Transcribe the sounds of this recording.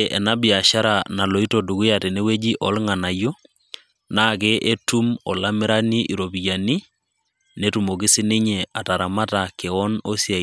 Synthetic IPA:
ʔɛ̰˨na˦bi˨a˨ʃa˦ɾa˨na˨lo˨i˦to˨du˨ku˦ja˨tɛ˨ne˦we˦d͡ʒi˦ʔɔ˨˦lŋa˨na˨jo˦ | naː˦ke˦ʔe˦tu˦mɔ˨la˦mɪ˦ɾa˦ni˦ʔi˨ɾo˨bi˨ja˨ni˦ | ne˦tu˨mo˨kɪ˦sɪ˦ne˦ɲea˨ta˨ɾa˨ma˦ta˨ke˨ɔ˦no˦sja˨

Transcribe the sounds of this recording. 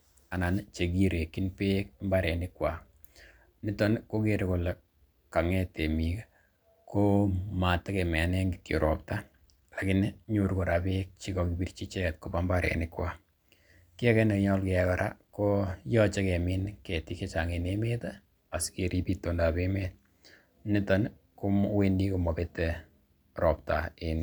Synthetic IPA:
a˨na˨nt͡ʃe˨ɡi˦ɾe˨kːi˦npe˦k̚mba˦ɾɛ˨nɪ˦kwa˨ | ni˦tɔ˦nko˦ke˦ɾe˨ko˨le˨ | ka˨ŋɛ˦te˨mi˨k | ko˦ma˨ta˦kɛ˨mɛ˨nɛ˦ŋɡikio˨ɾʔɔ˨p̚ta˦ | la˨kɪ˦nɲo˨ɾko˨ɾa˨be˦k̚t͡ʃi˦kɔ˨ki˨bi˦ɾt͡ʃi˦t͡ʃɛ˦˨t̚ko˦pa˦mba˦ɾɛ̰˨nɪ˦kwa˨ | kɪ˦ɛ˦kɛ˦nekɲɔ˦lke˨ɛka˨ɾʔa̰˦ko˦jɔ˦t͡ʃɛ˦kɛ˨minke˨ti˦ke˦t͡ʃa˨ŋe˨neme˦ta˦ | a˨ske˨ɾi˦pito˨nda˨be˦me˦t | nɪ˦tɔ˦n | ku˦mwendi˦ko˨mɔ˨be˦tɛ | ɾɔptaen

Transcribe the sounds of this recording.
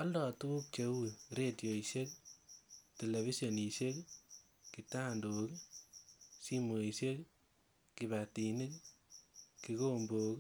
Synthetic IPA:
ɔ˦ldɔ˨tu˦k̚t͡ʃe˨wu˦ɾe˨tjo˨i˨se˦k | te˨le˨vi˦so˨ni˨se˦k | ki˨ta˦ndo˨k | si˦mo˨i˨se˦k | ki˨batini˦k | ki˨ko˦mboː˨k

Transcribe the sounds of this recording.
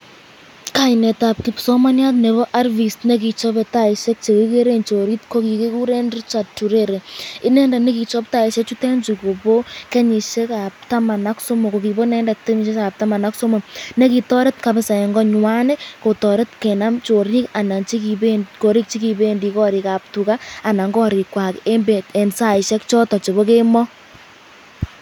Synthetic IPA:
ka˨ɪnɛ˨ta˨p̚ki˨psɔ˦ma˦nja˦t̬ne˨βo˦ʔa˦rvi˨stne˦ki˨t͡ʃɔ˦bɛ˨ta˦i˨ʃe˦k̚t͡ʃe˨ki˦ke˦ɾe˦nt͡ʃo˨ɾi˦tko˦ki˨ke˦ku˦ɾe˦ndi˦t͡ʃa˨tːu˨ɾe˦ɾe˨ɪ˦nɛ˦nda˨ne˦ki˨t͡ʃɔ˦p̚ta˦i˨ʃe˦k̚t͡ʃu˦tɛ˦nd͡ʒu˨ko˨bo˦kɛ˦ɲi˨ʃe˦ka˨p̚ta˦ma˨na˦kso˦mo˨ko˨ki˨bo˦nɛ˦nda˨te˦ɲi˨ʃe˦a˨p̚ta˦ma˨na˦kso˦mo˨ne˦ki˨tɔ˦ɾe˦tka˨be˦sa˨e˨ŋɡɔ˦ɲwa˦ne˦ko˨tɔ˨ɾe˦tke˨na˦mt͡ʃo˨ɾi˦ka˨na˨t͡ʃi˦ki˨benko˨ɾi˦k̚t͡ʃi˦ki˨be˦ndi˨kɔ˦ɾi˨ka˨p̚tu˨kaː˦˨na˨ŋɡɔ˦ɾi˨kwa˨ke˦mbe˨e˨nsa˦i˨ʃɛ˦kt͡ʃɔ˦tɔ˨t͡ʃo˨βo˦k̬e˦mɔ˦

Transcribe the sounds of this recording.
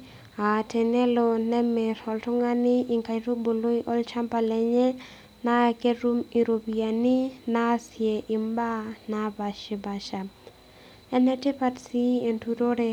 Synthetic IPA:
a˨tɛ˨nɛ˦lo˨nɛ˦me˨ɾɔ˨ltʊ˦ŋa˦nɪ˦ʔi˨ŋka˨ɾo˦bo˨lo˦iʔɔ˦lt͡ʃa˦mpa˨lɛ˨ɲɛ˦ | na˦ke˦ɾu˦mi˨ɾo˨bi˨a˨ni˦na˦sje˨ʔɪ˨mba˦na˨ba˨ʃɪ˨ba˨ʃa˨ | ɛ˦nɛ˦te˦pa˦tsi˦e˨ntu˦ɾo˦ɾe˦

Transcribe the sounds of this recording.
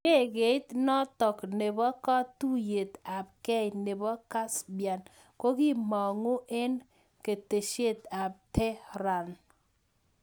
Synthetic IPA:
ke˦˨ɡe˨ɪ˦t̪nɔ˦tɔ˨kne˨bɔ˦kɔ˦tu˦je˨t̪a˨b̚kɛ˦ne˨bɔ˦ka˦sbja˨n | ko˦ɡi˦mɔ˨ŋo˦ʔe˦n | ke˨te˨ʃe˦˨t̪a˨b̚tɛ˦ɾa˨n

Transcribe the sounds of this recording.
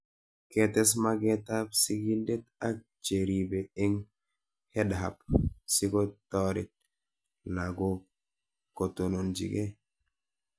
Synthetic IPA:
ketɛ˦s̬maɡetapsiɡi˦lde˦ta˦k̚t͡ʃe˨ɾi˨be˨e˦ŋ | hɛ˦dɦa˨p̚si˦ko˦tɔ˦ɾi˨t̚ | la˨ɡo˦ | ko˨to˨no˨nd͡ʒḭ˨ɡe˦

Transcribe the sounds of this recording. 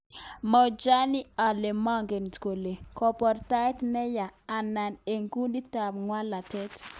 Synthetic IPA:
mɔ˨d͡ʒa˦ni˦a˨le˨mɔ˦ŋɡe˨ntko˨le˨kɔ˨pɔ˨ɾta˦tnɛ˦jaː˨na˨ne˨ŋɡu˦ɗi˦ta˨bŋwa˦la˨tɛ˦t

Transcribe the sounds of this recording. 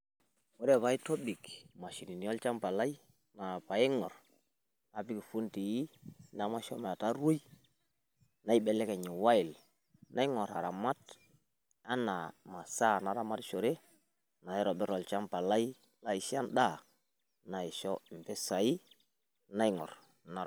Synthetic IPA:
wɔ˦ɾɛ˦˨βa˨i˦tɔ˦bi˨kma˨ʃi˨ni˨ni˨˦ɔ˦lt͡ʃa˦mpa˨la˦i˦ | na˨pa˨ɪ˦ŋɔ˨ɾ | na˨bi˦ki˨fu˦nti˨ji˦na˨ma˦ʃɔ˦ma˨ta˦ɾo˦j | na˦i˦bɛ˨lɛ˦kɛ˨ɲɪ˨wa˦ɪ˨l | na˦jŋɔ˨ɾa̰˨ɾa˨ma˦t | a˦na˨ma˨sa˦na˨ɾa˦ma˦tʃo˨ɾe˦ | na˨ɛ˦ɾɔ˨bɛ˦ɾɔ˨lt͡ʃa˦mpa˨la˦i˦ | la˦i˨ʃi˦a˦nda˦˨ | na˨i˨ʃɔ˦˨m̩˨pɛ˦sa˨i˦ | na˦i˦ŋɔ̰˨ɾ | na˨

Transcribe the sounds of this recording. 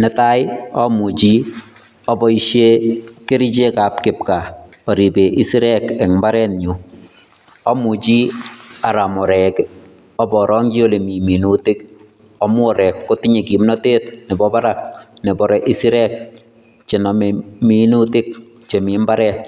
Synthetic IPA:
nɛta˦jɔ˦mu˨t͡ʃi˦ | ɔ˦bɔ˨iʃje˦ke˦ɾi˦t͡ʃe˦ka˨p̚kɪ˨p̚ka˨ | ɔ˨ɾi˨be˨ʔi˦si˦ɾɛkɛ˨kmba˦ɾɛ˦nɲu | ɔ˦mu˨t͡ʃi˦a˨ɾa˨mɔ˨ɾɛ˨k | ɔ˦bɔ˨ɾɔ˦ŋd͡ʒi˦o˦le˨mi˨mi˨nutɪ˦k | ɔmwɔ˨ɾɛ˨kːo˦ti˦ɲe˨ki˨mnɔ˦te˦t̚nɛ˨bɔba˦ɾa˨k̚nɛ˨bɔ˨ɾɛʔi˦si˦ɾɛ˦k̚ | t͡ʃe˨nɔmmi˦nu˦tɪ˦k̚ | t͡ʃe˨mi˨mba˦ɾɛ˦t̚

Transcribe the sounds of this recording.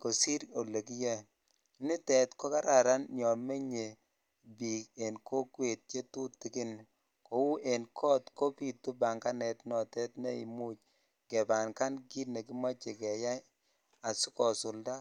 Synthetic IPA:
ko˨si˦ɾo˨le˨ki˦jɛ˦˨˦ | nɪ˦tɛ˨tkɔ˦ka˦ɾa˨ɾa˦nɲɔ˨me˦ɲe˨ | bi˨ke˨nkʰo˦kwe˨t̚t͡ʃe˦tu˦tːi˨kɪ˦n | ko˨˦wu˦ʔe˨nkʰɔ˦tko˦pi˦tu˦ba˨ŋka˦nɛ˨tnɔ˨tɛ˦tne˦i˨mu˦t͡ʃ | kɛ˨ba˨nka˦nɡi˦ne˨ki˦mɔ˦t͡ʃe˨kɛ˨ja˦ | a˨su˦kɔ˨sʊ˨lda˦

